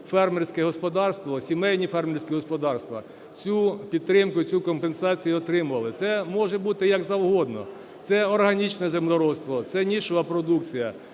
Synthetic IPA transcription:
fɛrmʲɪrsʲkɛɦɔspɔd̪ɑrst̪ʋɔsʲimɛjnʲifɛrmʲɪrʲsʲkʲiɦɔspɔd̪ɑrst̪ʋɐ̰ | t͡sʲupʲid̪̚t̪ːɾɪmkʊt͡sʲukɔmpensɑt͡sʲijʊɔt̪ɾɪmʊʋɐlˠɪt̪sɛmɔʒɛbut̪ɪjɐɡzɐwɦɔd̪nɔ̰ | t̪sɛɔrɦɐnʲit͡ʃnɛzemd̪ɔɾɔst̪ʋɔt̪sɛnʲiʃʊʋɐpɾɔd̪ukt͡sʲijɐ

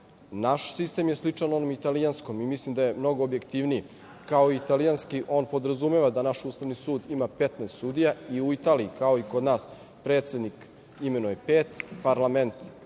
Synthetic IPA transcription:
naʃsist̪emjeslit͡ʂano̞nomit̪alijansko̞mimislimd̪ajemno̞ɡoobjekt̪iʋniji | kao̞iit̪alijanskiʔo̞ːnpo̞d̪ɾazumeʋad̪anaʃuːst̪aʋnisuːd̪imapet̪nɛːst̪suːd̪ijaiuit̪aːliikao̞ikod̪naːs | pɾet̪se̞d̪nik | ime̞nuepeːt̪paɾlˠament̪

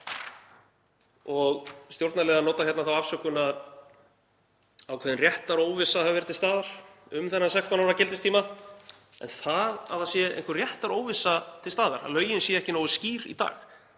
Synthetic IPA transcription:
ɔɣst̪jowɾt̪nalɛːðanɔːt̪açjɛt̪naθawafsœkʏnað | awkʰɛːðɪnrjɛht̪aɾoːwvɪsːahavvɛɾɪt̪ɪlst̪aːðaɾ̥ʏmθɛnːasɛkst̪awnaɾacɪlt̪ɪst̪ʰiːma | ɛnθaða̰ðθasjɛḛhŋkʏrjɛht̪aɾoːwvɪsːat̪ʰɪlst̪aːða̰ɾ̥a̰lœːɥjɪnsjɛɛhcɪnowɪsciːɾḭt̪a̰ːɣ

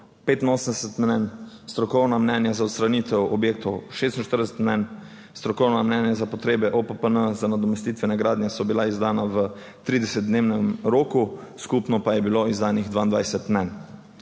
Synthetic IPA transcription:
peːt̪inoːsənd̪ɛsɛt̪mnɛnst̪ɾɔkɔwnamnɛnjazaɔt̪st̪ɾanit̪ɛwɔbjeːk̚t̪ɔwʃest̪in̩ʃt̪əɾd̪ɛsɛt̪mnɛn | st̪ɾɔkɔwnamnɛnjazapɔt̪ɾeːbɛʔopəpənəzanad̪ɔmɛst̪it̪ʋɛnaɡɾaːd̪njɛsɔbilaizd̪aːnaʋə | t̪ɾid̪ɛsɛt̪̚d̪neːwnɛmɾoːku | skupnɔpajɛbiloizd̪aːniɣd̪ʋaːind̪ʋajsɛt̪mnɛn

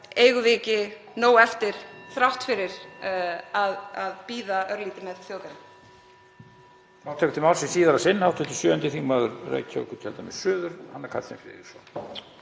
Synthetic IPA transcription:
eːjɣʏvɪːcɪ | noːwɛft̪ɪɾ̥θɾawht̪fɪɾɪɾ̥ | aðaðpiːðaʔœɾliːt̪ɪmɛðθjoːwtɪɾa | fɾaw̥t̪ʰɛːkʏt̪ʰɪlmawlsɪsiːðaɾasɪnːhawft̪ʰʏt̪ʰɪ̥sjœːʏnt̪ɪθiŋmaːðʏɾrḛːjcʰaœ̰kʏɾc̪ʰɛlt̪amɛ̰̥sʏːðʏɾ̥hanːɛɾkʰa̰t̪sḛmfɾɪ̰ðɪ̥sɔ̰

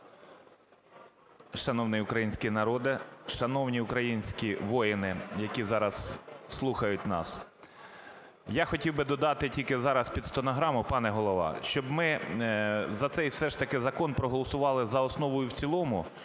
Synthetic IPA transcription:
ʃɐnɔwnɪʊkɾɐjinʲsʲkʲinɐɾɔd̪ɪʃɐnɔwnʲiʊkɾɐjinʲsʲkʲiʋɔjɪnɪjɐkʲizɑɾɐsːlˠuxɐjʊtʲnɑ̰s | jɑxɔtʲiwbɪd̪ɔd̪ɑt̪ɪtʲilʲkɪzɑɾɐspʲid̪st̪ɔnɔɦɾɑmʊpɑnɛɦɔlˠɔʋɑ̰ʃt͡ʃɔbmɪ | zɐt̪sɛjwsɛʃt̪ɐkɪzɐkɔnpɾɔɦɔlˠɔsʊʋɑlˠɪzɐɔsnɔʋɔjʊwt͡sʲilˠɔmʊ

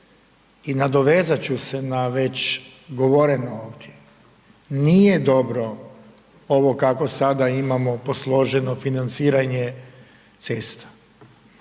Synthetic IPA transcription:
inad̪oʋe̞ːzat͡ɕuse̞naʋe̞t͡ɕɡo̞ʋo̞ɾenooːʋd̪ʲje | nijed̪o̞bɾo̞ | o̞ʋokako̞sad̪aimamoposlˠo̞ʒenofinant̪siːɾaɲe | t̪sest̪ḁ

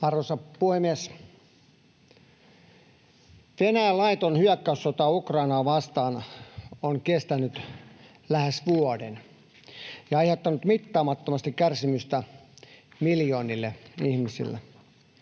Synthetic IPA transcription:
ʋɑrosɑpuhemies | ʋenæælɑit̪onhyækːæysːot̪ɑukrɑinɑːʋɑst̪ɑːnoŋkest̪ænyt̪ | læhesʋuoden | jɑɑihet̪ːɑnut̪mit̪ːɑːmɑt̪ːomɑst̪ikkærsimyst̪æ | miljoːnilːeihmisḭlːḛ

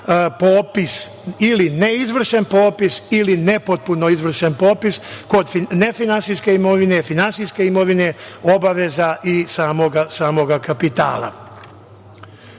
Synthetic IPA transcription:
poːpis | ilineizʋr̩ʃenpoːpisiline̞pot̪̚puno̞izʋr̩ʃenpo̞ːpisko̞d̪fine̞finansiske̞imo̞ʋine̞finansiske̞imo̞ʋine̞o̞baʋe̞zaʔisaːmoɡasaːmo̞ɡakapit̪a̰ːla̰

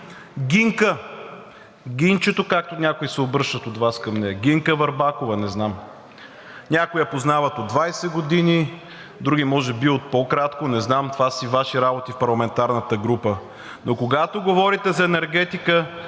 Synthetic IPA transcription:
ɡʲiŋkə | ɡʲint͡ʃɛt̪okak̚t̪onʲakoisɛobɾəʃt̪ət̪od̪vaskɐmnɛɡiŋkəvɐɾbakovɐnɛznam | nʲakʊjɐpoznavət̪od̪vajsɛɡod̪ini | d̪ɾuɡʲimɔʒɛbiot̪̚pokɾat̪konɛznamt̪ovasivaʃiɾabot̪ifpɐɾlˠɐmɛnt̪aɾnət̪əɡɾupə | nokoɡat̪oɡovɔɾit̪ɛzɐɛnɛɾɡɛt̪ikə

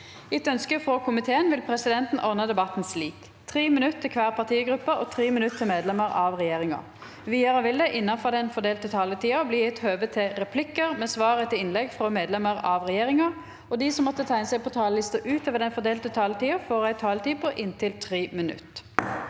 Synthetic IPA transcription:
ɪt̪œnskəfʁɔkʰʊmɪt̪ʰeːənʋɪlpʰʁɛsɪd̪ɛnt̪n̩ʔɔʁnəd̪ɛbɑt̪n̩sliːk | t̪ʰʁiːmɪnʉt̪ːʰɪkʰʋæːʁpʰɑʁt̪ʰiːəɡʁʉpːəɔt̪ʰʁiːmɪnʉt̪ʰːɪlmeːd̪lɛməʁɑʋʁɛjeːʁɪŋɑ̰ | ʋiːɑʁəʋɪld̪ɛʔɪnːɑfɔʁd̪ɛnfɔd̪eːlt̪ət̪ʰɑːlət̪ʰiːɑbliːɛt̪høːʋət̪ʰɪʁɛpʰlɪkəʁmɛːsʋɑːʁət̪ʰɪlɪnlɛɡfʁɔmeːd̪lɛməʁɑʋʁɛjeːʁɪŋɑ | ɔd̪isɔmːɔt̪ːət̪ʰæɪnəsæɪpʰɔt̪ʰɑːləlɪst̪əʔʉːt̪ʰøːʋəd̪ɛnfɔd̪eːlt̪ət̪ʰɑːlət̪ʰiːɑfoːʁæɪt̪ʰɑːlət̪iːpɔʔɪnt̪ʰɪlt̪ʰʁiːmɪnʉ̰t̪ː

